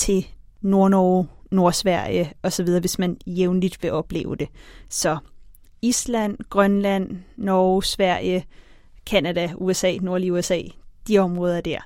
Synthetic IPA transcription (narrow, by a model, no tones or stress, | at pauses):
t͡sʰe̝ | no̝ɐnɒʊno̝ɐsʋæɐ̰jəɒ̽sɒʋið̞ˠɐːʋe̝smænjeʊnlid̥ʋe̝ʔɒ̽b̥le̝̰ːʊəd̥e̝sɒ̽ | islæn̰ɡ̥ʁɶnlæn̰ːɒʊsʋæɐ̰jə | kʰænæd̥æuesɛ̰ːno̝ɐliuesɛ̰ːd̥iɒ̽mʁɔ̽ːðˠɐd̥æɐ̰